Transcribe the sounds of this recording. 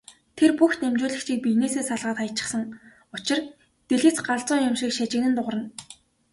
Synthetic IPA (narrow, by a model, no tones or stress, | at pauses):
t̪ʰerpuxt̪nemt͡ɕʊːɮə̆xt͡ɕʰiːk̚pijneːseːsaɮʁaːt̪χajʰt͡ɕɪ̥̆χsə̆ŋ | ʊt͡ɕɪ̆r | t̪eɮɘ̆t͡sɢaɮt͡sʊːŋjʊmʃiːkʃat͡ɕɪ̆knɘ̆nt̪ʊʁrə̆n